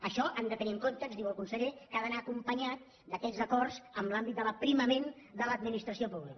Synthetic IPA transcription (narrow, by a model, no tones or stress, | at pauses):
əʃɔʔənd̪ət̪əniəŋkont̪əzðiwəlˠkunsəʎekaðənaːkumpəɲat̪̚ | d̪əkɛzəkɔrzəmlambit̪d̪ələpɾiməmen | d̪ələd̪̚minist̪ɾəsiopuβlik